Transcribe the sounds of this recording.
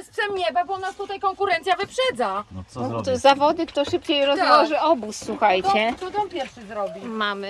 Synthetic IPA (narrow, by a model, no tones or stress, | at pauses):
spʂɛmɲɛbabɔnːast̪ut̪ajkɔŋkuɾɛnt̪sʲjavɘpʂɛd̪zat̪zavɔd̪ɘkt̪ɔʂɘpt͡ɕejɾɔzmɔʐɘɔbusːwuxajt̪t͡ɕɛɔd̪ɔ̃pʲjɛɾfʂɘzɾɔbʲimamɘ